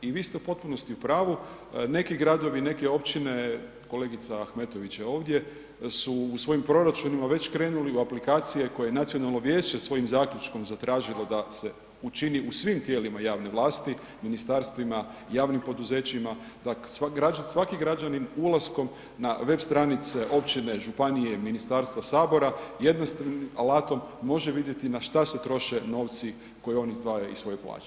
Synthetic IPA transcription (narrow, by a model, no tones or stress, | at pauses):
iʋiːst̪eupo̞t̪̚puno̞st̪iupɾaːʋu | ne̞kiɡɾad̪o̞ʋine̞keo̞pt͡ɕine̞ | ko̞le̞ːɡit̪saaxme̞t̪o̞ʋit͡ɕao̞ːʋd̪je̞ | suːsʋo̞ːjimpɾo̞ɾat͡ʃunimaʋe̞t͡ɕkɾe̞ːnuliuaplikaːt̪sije̞ko̞jejenat̪sio̞nalno̞ʋje̞ːt͡ɕe̞sʋo̞jimzaːklʲut͡ʃko̞mzat̪ɾaːʒilo̞d̪ase̞ | ut͡ʃiniusʋimt̪je̞ːlimajaːʋne̞ʋlˠaːst̪i | minist̪aɾst̪ʋimajaːʋnimpo̞d̪uze̞t͡ɕima | d̪̥asaɡɾad͡ʒasʋakiɡɾad͡ʒaninulˠasko̞m | naʋe̞bst̪ɾanit̪seʔo̞pt͡ɕine̞ʒupanije̞minist̪aːɾst̪ʋasaːbo̞ɾajed̪nast̪nimalaːt̪o̞mːo̞ʒeʋid̪je̞t̪inaʃt̪ase̞t̪ɾo̞ʃe̞no̞ːʋt̪si | ko̞jeo̞nizd̪ʋaːjaisʋo̞jeplˠa̰ːt͡ʃe̥